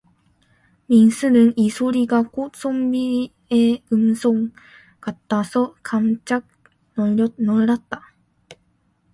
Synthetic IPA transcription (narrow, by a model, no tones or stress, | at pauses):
mʲĩñsɨnɯ̟̃ŋisoɾʲiɡakosõmbʲi | eɯ̟̃nsõŋ | kat̪ːasokʰãnt͡ɕak̚ | nnoɾat̪ːa